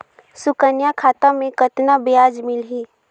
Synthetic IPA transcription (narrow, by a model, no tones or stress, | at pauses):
sʊkənjakʰaːt̪amẽkət̪nabɪjaːd͡ʒmɪlɦiː